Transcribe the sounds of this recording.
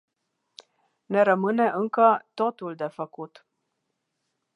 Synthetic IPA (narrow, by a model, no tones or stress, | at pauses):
ne̞ɾəmɨne̞ʔɨŋkət̪o̞t̪uld̪e̞fəkut̪